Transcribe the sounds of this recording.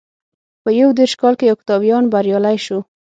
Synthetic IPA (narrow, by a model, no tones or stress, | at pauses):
pəjawd̪eɾʃkɑlkejawkɪ̥t̪ɑbjɑnbaɾjɑlajʃo